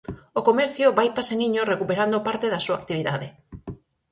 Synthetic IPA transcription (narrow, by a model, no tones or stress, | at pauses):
okomɛɾθjoβajpaseniɲorekupeɾand̪opaɾt̪eðasuaːk̚t̪iβ̞iðaðe